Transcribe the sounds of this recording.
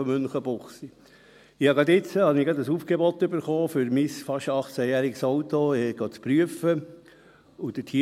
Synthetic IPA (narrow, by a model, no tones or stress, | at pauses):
ɔmʏnχəbʊχsi | ɪhɑɡɑd̪ɪt͡səhɑnɪɡɑd̪əsuːfɡ̥ebɔt̪ːøbəɾχoːfʏɾmisfɑʃɑχt͡sæjæːɾɪksowt̪oɡ̥oːt͡spɾyəfə | ud̥̪ətʰi